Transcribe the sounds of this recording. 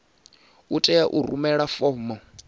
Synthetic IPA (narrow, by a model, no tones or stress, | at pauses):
utʼɛjaʔuɾumɛɺafɔːmɔ